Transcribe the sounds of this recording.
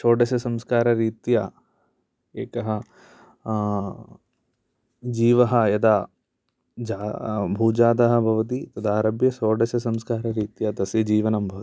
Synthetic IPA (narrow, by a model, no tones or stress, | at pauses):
ʃoːɖɐʃɐsɐmskaːɾɐɾiːt̪jɐ | eːkɐɦɐ | d͡ʒiːʋɐɦɐjɐd̪ɐ | d͡ʒaːbʱuːd͡ʒaːd̪ɐɦɐ̆bʱɐʋɐt̪̬it̪ɐd̪aːɾɐbjɐsoːɖɐsɐsɐmskaːɾɐɾiːt̪jɐd̪ɐsjɐd͡ʒiːʋɐnɐmbʱɐʋɐt̪i̥